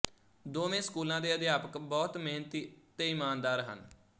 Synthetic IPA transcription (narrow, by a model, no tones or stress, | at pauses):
d̪oːmẽːskuːlãːd̪eːəd̪ɪjaːpəkbɔːt̪meːnət̪iːt̪eːɪmaːnd̪aːɾɦə̰n